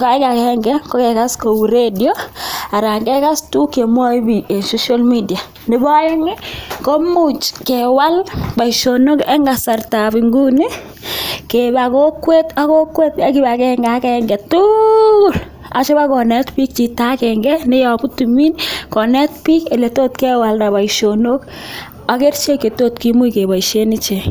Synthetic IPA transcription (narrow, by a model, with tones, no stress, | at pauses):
ka˨ɪ˦ka˨kɛŋɡɛ˦ko˦kɛ˨ka˦sko˨u˨ɾe˦djo˦a˨ɾa˨ŋɡɛ˦ka˦stu˦ke˨mwɔ˦i˦bi˨e˨so˦ʃa˦lmi˦di˨a˨ | nɪ˦ba˦i˦mɪ˦ko˦mu˦t͡ʃkewa˦lba˨iʃo˨no˦kɛ˦ŋɡa˨sa˨rta˨biŋɡu˦ni˦ | keba˨ko˦kwe˦ta˦ko˦kwe˦tja˨ki˦ba˨kɛ˦ŋɡa˦kɛŋɡɛ˨tʊ˦˨l | a̰˨t͡ʃo˦ba˦kɔ˨nɛ˦tpi˦k̚t͡ʃi˨ta˦kɛ˨ŋɡɛ˦nɪ˦jɔ˨pu˦tumi˦nkɔ˨nɛ˦tpi˦ke˨lɛ˨toː˦tkɛ˦wa˨lna˨ba˨iʃono˦k | a˨ke˦rt͡ʃe˦kːe˨to˦tki˦mu˦ike˨ba˨iʃe˦nɪ˦t͡ʃe˨